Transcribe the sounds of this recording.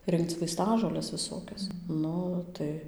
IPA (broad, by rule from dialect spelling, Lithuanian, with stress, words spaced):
ˈrʲɪŋkt͡s ʋɐɪˈstɑːʒoːlʲɛs ʋʲɪˈsoːkʲɛs ˈnʊ tɐɪ